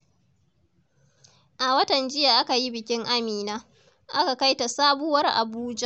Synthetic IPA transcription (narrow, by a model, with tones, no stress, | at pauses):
ʔa˨wɐ˦tɐ˨nd͡ʒɪ˦ja˨ʔa˦ka˨ji˦bɪ˨kʲɪ˦ŋʔa˦miː˨naː˦ | ʔa˦ka˨ka˦jta˨saː˦bʊ˦wɐ˦rʔa̰˨buː˦d͡ʒa˦ʔ